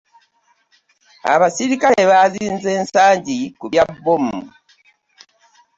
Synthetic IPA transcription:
a̰βasiɾikajeβaziːnze̞ːnsaːɲɟikuβjabːomu

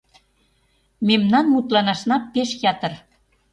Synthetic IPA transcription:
memnɑnmut̪lɑnɑʃnɑpːeʃjɑt̪ə̆r

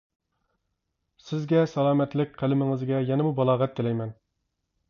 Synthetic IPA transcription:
sɪzɡʲɛsɑlˠɑːmɛt̪lɪk̚ʲqʰælɪmɪŋɨzɡʲɛjɛnɛmubɑlˠɑːʁɛt̪ːɪlɛjmɛn

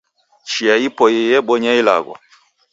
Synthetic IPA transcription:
t͡ʃiaipɔjɛjɛɓɔɲaila̰ɡwa̰

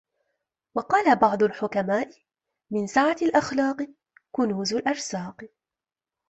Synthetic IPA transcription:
wɑqɑːlabɑʕd̪ˤʊlħʊkamaːʔɪ | mɪnsaʕalʔaxlɑːqɨ | kʊnuːzʊlʔɑɾˤsɑːq

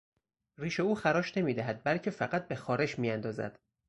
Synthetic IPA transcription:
riːʃe̞uːxæɾɒːʃne̞miːd̪æɦæd̪̚bælcʰe̞fæɢæt̪̚be̞xɒːɾe̞ʃmijænd̪ɒːzæ̰d̪̥

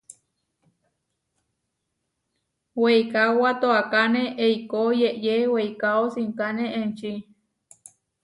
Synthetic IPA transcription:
wejkawat̪oakaneʔeikojeʔjeweijkaosiŋkaneent͡ʃi

